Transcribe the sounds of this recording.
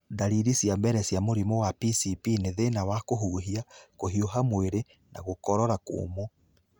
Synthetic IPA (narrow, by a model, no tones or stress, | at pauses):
daɾiɾisjambɛɾɛsjamoɾimɔwapisipineðenawakoɦuɦiakoɦioɦamweɾe | na̰ɣokɔɾɔɾako̰ːmɔ